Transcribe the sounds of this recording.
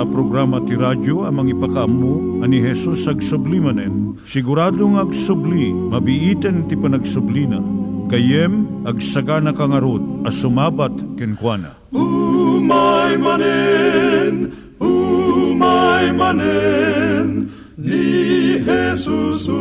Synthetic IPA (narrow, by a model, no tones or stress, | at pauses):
ɐpɾoɡɾaːmɐt̪iɾad͡ʒoɐmɐŋipɐkɐɐmːu | ɐniɦɛsusɐɡsʊblimɐnɛn | sɪɡʊɾad̪oŋɐɡsʊbli | mɐbɪʔit̪ɛnt̪ipɐnɐɡsʊblinɐkɐjɛmɐɡsɐɡanɐkɐŋɐɾod̪̚ɐsʊmaːbat̪kɪnkwanɐ̰ | umajmanɛ | n | umajmanɛ | n | nihɛsus